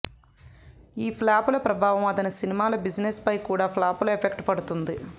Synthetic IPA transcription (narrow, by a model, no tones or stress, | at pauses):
iːpʰlaːpulɐpɾɐbʱaːʋɐmɐt̪ɐnisinimaːlɐbid͡ʒnespɐjkuːɽaːpʰlaːpuluepʰekʈpɐɽut̪und̪i